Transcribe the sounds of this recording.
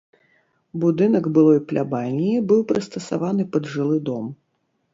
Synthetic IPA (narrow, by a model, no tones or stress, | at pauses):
bud̪ɨnɐɡbɨlˠɔjplʲabanʲijibɨwpɾɐst̪ɐsa̰vanɨpɐd̪ʐɨlˠɨd̪ɔm